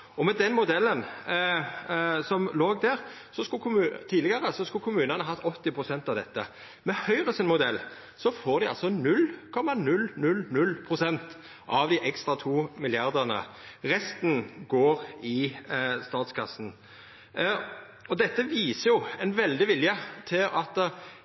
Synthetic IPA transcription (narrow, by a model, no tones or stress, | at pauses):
ɔmɛd̪ɛnmʊd̪ɛlːən | sɔmloːɡd̪æʁ | sɔskʊkʰʊmʉt̪ʰiːlɪɡəɾəsɔskʉlkʰʊmʉːnənəɦɑt̪ʰːɔt̪ːɪpʰʁʊsɛnt̪ɑʋd̪ɛt̪ːə | mɛhœʏʁəsɪnmʊd̪ɛlː | sɔfoːʁd̪ɪɑ̰lsɔnʉlkʰɔmːɑnʉlnʉlnʉlːpʰʁʊsɛnt̪ | ʔɑʋd̪ɪʔɛkst̪ʁɑt̪ʰuːmɪljɑʁd̪əʁnə̰ | ʁɛst̪n̩ɡoːɾɪst̪ɑːt̪skʰɑsːn̩ | ɔd̪ɛt̪ːəʋiːsəjʊɛnʋɛld̪ɪʋɪljət̪ʰɪlɑt̪